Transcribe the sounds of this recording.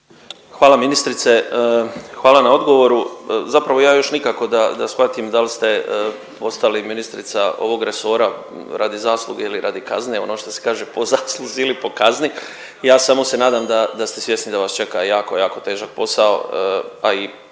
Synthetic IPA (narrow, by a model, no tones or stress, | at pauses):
xʋaːlaminist̪ɾit̪se̞ | xʋaːlˠanao̞d̪ɡo̞ʋo̞ɾuzapɾaʋo̞jaːjo̞ʃnikako̞d̪ad̪asxʋat̪imd̪alst̪e̞ | o̞st̪aliminist̪ɾit̪sao̞̰ʋo̞ɡɾeso̞ɾa | ɾad̪izaːslˠuɡeiliɾaːd̪ikazne̞o̞noʃt̪ose̥kaːʒepozaːslˠuziilipo̞kazni | jaːsamo̞se̞naːd̪amd̪ad̪ast̪e̞sje̞snid̪aʋast͡ʃe̞kajaːko̞jaːko̞t̪e̞ːʒak̚po̞sao̞̰ai